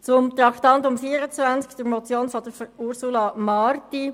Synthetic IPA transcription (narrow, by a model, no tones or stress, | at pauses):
t͡sʊmt̪ɾɑktɑnt̪ʊmfiːəɾət͡svænt͡skd̥̪əɾmɔt͡sjoːnfɔd̥əɾfəuɾsulɑmɑrti